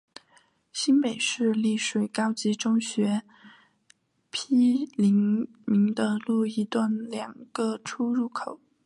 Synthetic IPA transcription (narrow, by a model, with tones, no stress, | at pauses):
ɕi˥npe˨˩ɪʂɻ̩˥˧li˥˩ʂwe˨˩ɪkɑ˥ʊt͡ɕi˧˥ʈ͡ʂʊ˥ŋɕɥɛ˧˥ | pʰi˥li˧˥ŋ | mi˧˥ŋd̪ə˧lu˥˩i˧˥t̪wa˥˩nljɑ˨˩ŋɡ̥ə˧ʈ͡ʂʰu˥ɻu˥˩kʰo˨˩˦ʊ